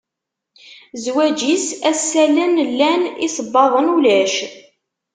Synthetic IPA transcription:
zwæd͡ʒisæsːælənlːænisəbːɑðˤənulæʃ

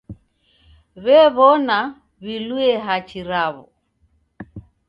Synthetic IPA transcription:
βɛβɔna | βiluɛɦat͡ʃʰiɾaβɔ̰

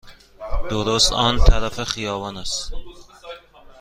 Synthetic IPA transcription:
d̪̥oɾost̪ɒːnt̪ʰæɾæfeχijɒːvɒːnæst̪

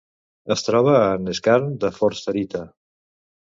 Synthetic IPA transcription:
əst̪ɾɔβ̞əːnəskaɾnd̪əfɔɾst̪əɾit̪ə

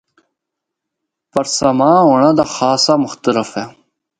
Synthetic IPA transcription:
pɐɾsamãːɦoːɳãːd̪aːxaːsaːmʊxt̪ələfɛː

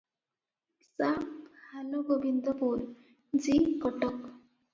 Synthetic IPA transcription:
sahaloɡobind̪ɔpuɾ | d͡zikɔʈɔk

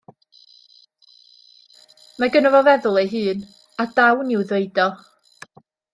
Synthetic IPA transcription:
maɡənɔvɔvɛðʊlˠejɦɨːn | adawnɪwðeɨdɔ

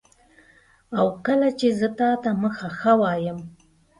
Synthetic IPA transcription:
awkəlat͡ʃezət̪ɑt̪aməxaxəwɑjəm

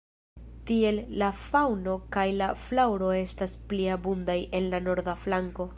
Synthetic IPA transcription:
tie̞lːafawno̞kajlaflawɾo̞e̞staspliabundaje̞nlano̞ɾdaflaŋko̞

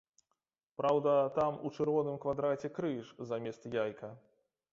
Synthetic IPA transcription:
pɾawd̪ɐt̪amut͡ʂɨɾvɔnɨmkvad̪ɾat͡sʲɛkɾɨʂzamʲɛst̪jajkɐ

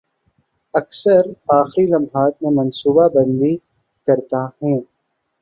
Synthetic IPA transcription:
ɐksəɾaːxɾilɐmɦaːt̪mẽmɐ̃nsuːbabɐ̃nd̪i | kɐɾt̪ahũː

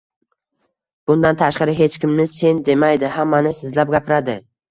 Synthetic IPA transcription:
b̥ʊnd̪ant̪ʰaʃqɑɾɪɦe̞t͡ʃkʲɪmnɪse̞nd̪e̞majd̪ɪɦamːanɪsɪzlap̚ɡʲapʰɪɾad̪ɪ

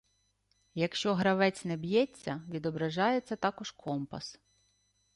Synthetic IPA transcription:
jɐkʃt͡ʃɔɦɾɐʋɛt͡sʲnɛbjɛt͡sʲːɐʋʲid̪ɔbɾɐʒɑjet͡sʲːɐt̪ɑkɔʒ̥kʰɔmpɐ̰s

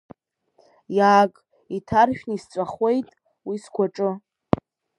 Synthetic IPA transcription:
jaːkʼ | itʰarʃᶣnist͡sʷʼaχe̞jtʼ | wiskʷaʈ͡ʂʼɨ

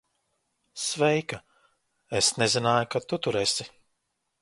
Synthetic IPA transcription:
svɛjka | esnezinaːjukat̪ut̪uɾesi

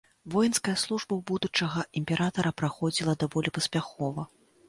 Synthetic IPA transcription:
vɔjɛnskɐjɐslˠuʐbɐwbud̪ut͡ʂɐɣɐʔimʲpʲɛɾʔat̪ɐɾɐpɾaxɔd͡zʲilˠɐd̪avɔlʲipɐsʲpʲaxɔvɐ

